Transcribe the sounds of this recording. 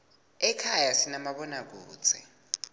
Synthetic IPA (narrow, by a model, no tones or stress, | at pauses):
ɛkʰajasinamaɓɔnak̬u̥ːt͡sʰʼɛ